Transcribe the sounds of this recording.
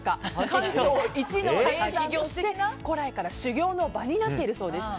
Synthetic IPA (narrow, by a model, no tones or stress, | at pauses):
kakat̪oit͡ɕinoeaiɡʲo̞ːɕit̪e̞ko̞ɾaekaɾaɕɨɡʲo̞ːno̞baɲ̟inat̪ːe̞iɾɯ̟so̞ːd̪e̞sɨ̥